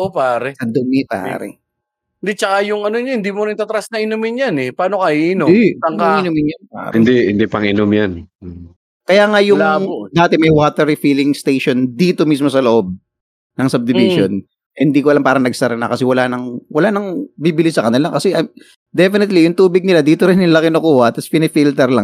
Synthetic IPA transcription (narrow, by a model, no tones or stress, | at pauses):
ʔopaːɾɛkɐd̪ʊmipa̰ːɾɛ̰ | ɪnd̪it͡ʃɐkajʊŋɐnoɲɐhɪnd̪imonit̪at̪ɾasnɐʔɪnomɪnjanɛpaːnokɐʔiːnosɐŋkɐɪnomɪnjanpa̰ːɾɪnd̪ihɪ̰nd̪ipɐŋɪnomjan | kɐjaːŋajʊlad̪aːt̪ɛmɐjwaːt̪ɛɾifiːlɪŋst̪ejʃo̞nd̪iːt̪o̞mis̬mo̞sɐloʔo̞b̚ | nɐŋsɐb̚d̪ɪviʃon | ʔɛhɪnd̪iːkoɐlampaːɾɐŋnɐɡsɐɾɐna̰kɐsɛwɐlanɐŋwɐlanɐŋbibɪlisɐkɐnɪlakɐsɛʔɐ | d̪ɛfɪnɪt̪lijʊŋt̪uːbɪɡ̚nɪlad̪iːt̪oɾɪnːɪnlakɪnokuːhɐt̪ɐspɪnɪfiːlt̪ɛɾlaŋ